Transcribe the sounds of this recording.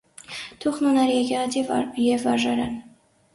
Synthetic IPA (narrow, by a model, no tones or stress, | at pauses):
t̪ʰuχnunɑɾjɛkɛʁɑt̪ʰivjɛvɑɾʒɑɾɑ̰n